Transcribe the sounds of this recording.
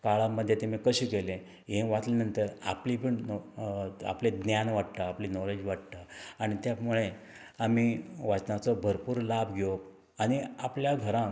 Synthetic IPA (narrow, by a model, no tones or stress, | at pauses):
kaɭãmːəd̪ʱːjet̪emikəɕiːkelẽ | ɦẽʋat̪lenənt̪əɾa̰plipəɳn | a̰pled̪njanʋaʈt̪aapliːnɔled͡ʑʋaʈ̚t̪aaɽ̃it̪jamuɭe | amiʋat͡snat͡sɔbʱəɾpuːɾlabʱɡʱjo | aɽ̃iapljaɡʱəɾã